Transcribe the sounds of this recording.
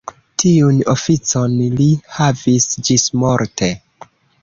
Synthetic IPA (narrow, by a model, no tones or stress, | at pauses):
tʰiunofit͡so̞nlihavisd͡ʒismoɾtʰe